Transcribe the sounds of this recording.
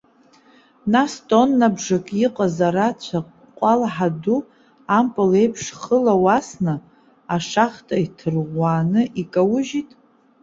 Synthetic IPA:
nastʼo̞nːabʐakʼiqʼazaɾat͡ɕʷʰaqʼ | qʷʼalħadu | ampʼɨle̞jpʰʂχəlawasnɨ | aʂaχtʼaitʰɨrʁʷaːnɨʔikʼawʊʒitʼ

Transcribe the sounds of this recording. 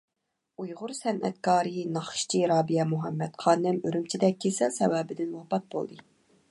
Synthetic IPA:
ujʁʊɾsɛnʔɛ̰t̪̚kʰɑːɾɨnɑχʃt͡ʃʰiɾɑːbijɛmuɦɛmːɛt̪qʰɑːnɪmøɾymt͡ʃʰid̪ɛk̚ʲʰːisɛsɛwɛːbɪd̪ɪnwɑpɑt̪̚bo̰lˠd̪ɨ

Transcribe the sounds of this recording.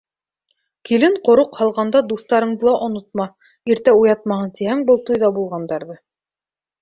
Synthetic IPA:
kilɘɴqŏɾoqhɑlˠʁɑnd̪ɑd̪uθt̪ɑɾɤ̆ɴd̪ɤlˠɑʔŏnŏt̪̚mɑ | iɾt̪æujɑt̪̚mɑɦɤnt̪ihæŋbɤlˠt̪ujðɑbulˠʁɑnd̪ɑɾðɤ

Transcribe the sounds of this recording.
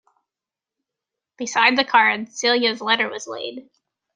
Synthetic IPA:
b̥ɨsaɪd̪̚ðɨkʰɑɹdsɪlˠjɨzlɛɾə˞wʌzlḛɪd̥

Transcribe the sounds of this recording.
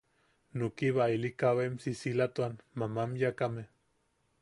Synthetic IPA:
nukiβailikawemsisilat̪uanmamamjakame

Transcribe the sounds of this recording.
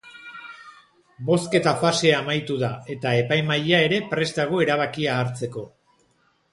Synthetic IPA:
bo̞ske̞t̪afase̞amajt̪uðae̞t̪ae̞pajmajae̞ɾe̞pɾe̞zd̪aɣ̞oe̞ɾaβ̞akiaːɾt͡se̞ko̞

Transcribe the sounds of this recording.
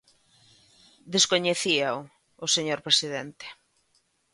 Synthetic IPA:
d̪eskoɲeθiaʊ | oseɲoɾpɾesiðent̪e̥

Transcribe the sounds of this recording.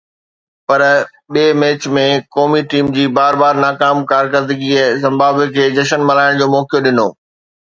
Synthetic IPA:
pɐɾ | ɓeːmeːt͡ɕmẽkɔːmiʈiːmd͡ʑiːbaːɾbaːɾnaːkaːmkaːɾkəɾd̪ɪɡiɛzɐ̃mbaːbekʰeːd͡ʑɐʃənmɐlaːɪɽ̃d͡ʑoːmɔːkjoɗɪno̰ː

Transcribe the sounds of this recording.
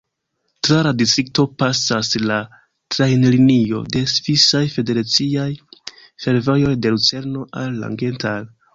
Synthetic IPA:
tɾaladistɾik̚to̞pasasla | tɾajnlinio̞̰de̞svisajfe̞de̞ɾat͡siaj | fe̞ɾvojo̞jde̞lut͡se̞ɾno̞ʔalːa̰ŋɡe̞ntal

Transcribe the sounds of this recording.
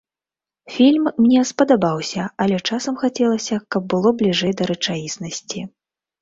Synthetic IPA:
fʲilʲmːnʲɛspɐd̪abawsʲɐɐlʲɛt͡ʂasɐmxat͡sʲɛlˠɐsʲɐkɐb̚ːɨlˠɔblʲiʐɛjd̪ɐɾɨt͡ʂajisnɐsʲt͡sʲi

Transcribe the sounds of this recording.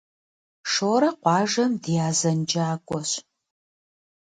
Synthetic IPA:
ʂoːɾɐqʷɑːʒɐmdijaːzɐnd͡ʒʼaːkʷʼɔɕ

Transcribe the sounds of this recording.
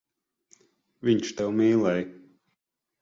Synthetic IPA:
vʲiɲʃt̪ɛwmiːlˠɛj

